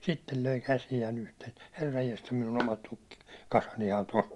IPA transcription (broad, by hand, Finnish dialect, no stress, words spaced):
sitːel løi kæsijæːn uhteːn̞ herːɑjːestɑ minun omɑt tukːi kɑsɑnihɑn tosː